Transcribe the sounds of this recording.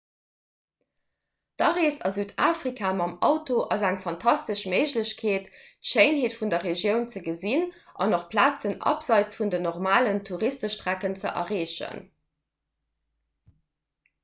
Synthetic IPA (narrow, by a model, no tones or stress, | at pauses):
d̥ɑʁeːsɑ̰zyːdaːfʁikʰaːmɑmɑ̰ʊtoʔɑzæŋfɑntʰɑstəʃməɪʑləɕkʰeːttʃeɪnɦeːtfundɐʁeʒjəʊnt͡səɡəzinʔɑ̰noχpʰlaːt͡sənʔɑ̰pz̥ɑɪt͡sfundənoʁmaːləntʰuʁistəʃtʁækənt͡səʔɐ̰ʁeːɕə̰n